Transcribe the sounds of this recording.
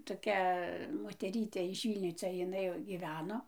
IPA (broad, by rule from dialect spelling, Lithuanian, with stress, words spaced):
toːˈkʲɛ moːtʲɛˈrʲiːtʲeː ɪʃ ˈʋʲiːlʲnʲoː ˈt͡sʲɛ jɪˈnɐɪ jɛʊ ɡʲiːˈʋʲæːnoː